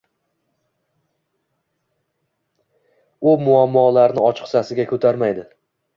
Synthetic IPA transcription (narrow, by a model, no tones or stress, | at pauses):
ʊmʊamːɒlaɾnɪɒt͡ʃʰɨ̥qsasɪɡʲakʰɵt̪ʰaɾmajd̪ɪ